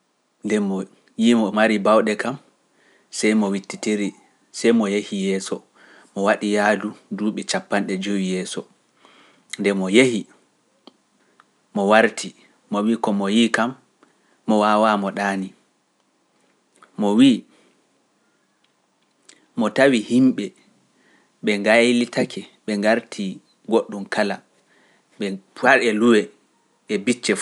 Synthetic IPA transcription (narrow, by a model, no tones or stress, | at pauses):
ndɛmɔ | jimɔmaɾibawɗɛkam | sɛjmɔwitːitiɾi | sɛjmɔjehijɛːsɔ | mɔwaɗijaːluduːɓɛt͡ʃapːanɗɛd͡ʒowijɛːsɔ | ndɛmɔjehi | mɔwaɾtʰi | mɔwikɔmɔjiːkamː | ɔwaːwamɔɗaːni | mɔwiː | mɔtawihimɓɛ | ɓɛŋɡajlitʰakʰɛɓɛŋɡaɾtʰi | ɡoɗːumkala | ɓɛaɾɛluwɛ | ɛbit͡ʃːɛ